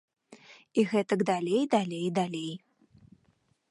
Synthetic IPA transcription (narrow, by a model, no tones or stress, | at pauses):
iɣɛt̪ɐɡd̪alʲejd̪alʲejd̪alʲej